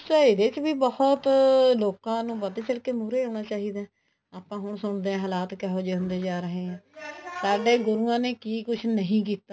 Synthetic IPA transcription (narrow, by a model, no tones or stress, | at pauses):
t͡ʃaːɦiːd̪eːt͡ʃbiːbəhɔt̪loːkãːnũːbəd̪eːt͡ʃəɽkeːmʊɾeːõːnaːt͡ʃaːɦiːd̪eː | aːpãːɦʊɳsʊɳd̪eːɛ̃ːɦəlaːt̪kɛɦoːd͡ʒeːɦʊnd̪eːd͡ʒaːɾəɦẽːɛ̃ːsaːɖeːɡʊɾuːãːneːkiːkʊt͡ʃʰnəɦĩːk̬iːt̪aː